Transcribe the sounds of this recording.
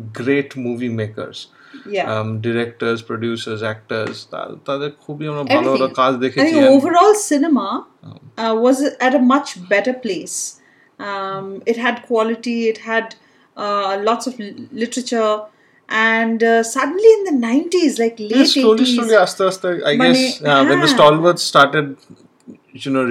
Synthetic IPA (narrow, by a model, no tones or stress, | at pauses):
ɡɾeːʈmuːʋimeːkə̰ɾz̥ | jæɖɪɾɛk̚ʈəɾzpɾoɖjuːsəɾzæk̚ʈəɾzt̪a̰t̪ad̪ekʰubiãmnəɛlɾəkaːzd̪eːkʰĩĩoːʋəɾɔːlsɪnəma̰ | ʋɔzæʈəmʌt͡ʃbɛʈəɾpleːs | ʌmɪʈɦæɖkʰwɔlɪʈiɪʈhæɖ | lɔʈsɔflɪʈəɾət͡ʃəɾ | ʔæ̃ɳɖsʌɖə̃n̩liɪ̃nd̪ənãɪ̃nʈizlaɪkleːsõsoliɐst̪əst̪əa̰ɪɡɛsjaʋɛ̃nd̪əsʈɔːlʋəɾdsʈaːɾʈeɖ̚ | junoː